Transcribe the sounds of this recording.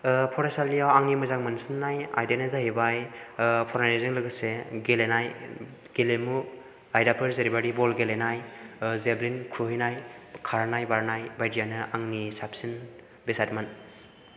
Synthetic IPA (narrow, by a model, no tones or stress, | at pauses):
pʰɔɾasalːijawaŋnimɯzaŋmansɯnːaja̰jdenazaɦibajpʰɔɾaɾezɯŋlɯɡɯseɡelenaj | ɡelemu | ajdapʰɯɾzeɾibaɾibɔlɡelenajzeblinkʰɾuɦinajkʰaɾnajbaɾnajbajdijanɯʔaŋnisapsin | besat̚man